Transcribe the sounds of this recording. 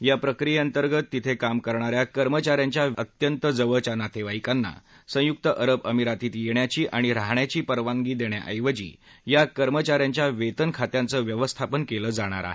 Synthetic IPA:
japɾəkɾijeənt̪əɾɡət̪ːit̪ʰekamkəɾɳ̃aɾjakəɾmət͡ɕaɾjaɲt͡ɕjaət̪jənt̪əd͡zəʋəɭt͡ɕanat̪ʰeʋaikanːa̰ | sə̃juk̚t̪əʔəɾəbəmiɾat̪iːt̪jeɳjat͡ɕiːʔaɽ̃iɾaɦɳjat͡ɕiːpəɾʋaŋɡiːd̪eɳja̰ʔəjʋəd͡ʑḭː | jakəɾmət͡ɕaɾjaɲt͡ɕjaʋet̪ənkʰat̪jant͡səːʋjəʋəst̪ʰapənkeləːd͡zaɽ̃a̰ɾa̰ɦe

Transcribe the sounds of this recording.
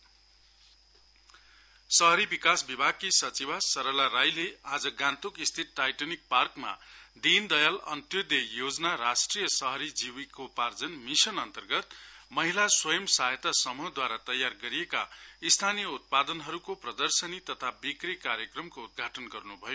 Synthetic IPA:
sʌɦʌɾibikasbibʱaɡ̚kisʌt͡sibʱasʌɾʌlaɾajlead͡zʌɡãnt̪ukist̪ʰit̪̚ʈajʈʌnik̚parkma̰d̪ind̪ʌjalʌ̰nt̪jod̪ejod͡zʌnaɾasʈrijʌsʌɦʌɾid͡ziwikopard͡zʌnmisʌnʌnt̪ʌrɡʌt̪mʌɦilaswʌjʌmsaɦjet̪asʌmud̪waɾat̪ʌjarɡʌɾijeka̰ist̪ʰanijʌut̪̚pad̪ʌnɦʌɾukoprʌd̪ʌrsʌnit̪ʌt̪ʰabikrikaɾjʌkrʌmkoud̪̚ɡʱaʈʌnɡʌrnubʱʌjo

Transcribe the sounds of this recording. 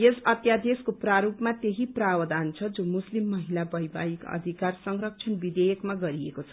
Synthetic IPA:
jesʌt̪jad̪eskopraɾupmat̪eɦiprawʌd̪ant͡sʰʌd͡zomuslimːʌɦilabʌjba̰ikʌ̰d̪ʱikarsʌŋrʌk̚t͡sʰʌnbid̪ejʌkmaɡʌɾiḛkot͡sʰʌ

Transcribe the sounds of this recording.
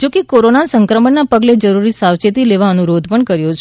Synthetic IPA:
d͡ʒokekoɾonansəŋkɾəməɳnːapəɡled͡ʒəɾuɾisawt͡ʃet̪ileʋaənuɾod̪ʱpəɳkəɾjot͡ʃʰ

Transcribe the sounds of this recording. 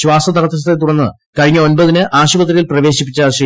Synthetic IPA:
ɕʋaːsɐd̪ʱɐɾɐt̪ːɐs̬t̪et̪uɽɐnːɨ | kɐɻiɲːɐo̞nbɐðinɨʔaːɕubɐt̪̬rijilprɐʋe̞ːɕipːit͡ɕːaːʂi

